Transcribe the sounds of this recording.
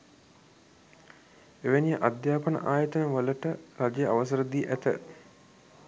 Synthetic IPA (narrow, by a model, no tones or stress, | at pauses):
eʋenijəʔad̪jaːpənə̰ʔaːjət̪ənəʋələʈəɾad͡ʒejəaʋəs̬əɾəd̪iːʔæt̪ə̰